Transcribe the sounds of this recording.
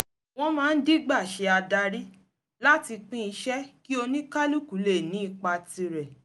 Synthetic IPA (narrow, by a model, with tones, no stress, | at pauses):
w̃ɔ̃˦mãː˦˧n̩˦di˦ɡ͡ba˦˨ʃe˧˦a˧da˧ɾi˦ | la˦ti˧k͡pĩ˦i˧ʃɛ˦ki˦o˧nĩ˦ka˦lu˦ku˨˦le˦˨nĩ˨˦i˦˧˨k͡pa˧ti˧ɾɛ˨